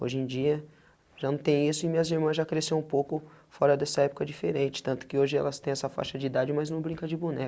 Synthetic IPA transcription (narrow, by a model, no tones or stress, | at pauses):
o̰ʒẽj̃d͡ʒiɐ | ʒanɐ̃w̃t̪ẽj̃isʊɪmĩɲɐziɾmɐ̃zʒakɾesẽw̃ũpowkʊ | fɔɾɐd̪ɛsɐɛpʊkɐd͡ʒifeɾẽnt͡ʃɪ̥t̪ɐ̃nt̪ʊ̥kɪoʒɪɛ̰lɐst̪ẽj̃ɛsɐfa̰ʃɐd͡ʒɪid̪ad͡ʒɪmɐznɐ̃w̃bɾĩŋkɐd͡ʒɪbunɛ